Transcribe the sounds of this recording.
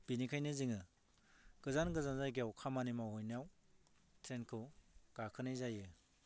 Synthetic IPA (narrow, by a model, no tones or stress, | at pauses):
b̥inikʰajnɯziŋɯ | ɡ̥ɯzanɡɯzanzajɡiawkʰamanimawhɔjnaw | tʰɾenkʰɯwɡ̥akʰɯnɯjzajɯ